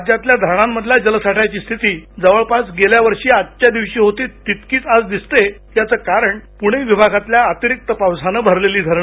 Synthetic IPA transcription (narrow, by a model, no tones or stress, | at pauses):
d̪jat̪ljad̪ʱəɾɳ̃amːəd̪ʱlad͡ʑələsaʈʰat͡ɕiːst̪ʰit̪iːd͡zəʋəɭpasɡeljaʋəɾʂiːad̪t͡ɕad̪iʋɕiːɦot̪iːt̪it̪kiːt͡sad͡zd̪ist̪et̪jat͡səːkaɾəɳpuɽ̃eʋibʱaɡʱat̪ljaːt̪iɾik̚t̪əpaʋsanəbʱəɾleliːd̪ʱəɾɳə